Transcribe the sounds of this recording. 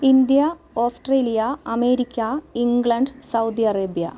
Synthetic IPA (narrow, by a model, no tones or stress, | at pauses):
ind̪jɐ | oːsʈreːlijɐɐme̞ːɾikʲːɐiŋɡɭɐɳɖsɐwd̪iɐreːbijɐ̰